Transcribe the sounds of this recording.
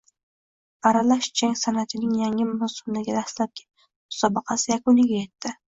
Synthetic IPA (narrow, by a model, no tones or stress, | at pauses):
aɾalaʃt͡ʃʰaŋʲsanat̪ʰɪnɪŋjaŋʲɪmʊsʊmd̪aɡʲad̪aslap̚kʲʰɪ̥t̪ | mʊ̥sɒbɨqʰɑsɪjakʊnɪɡʲaje̞t̪ʰːɪ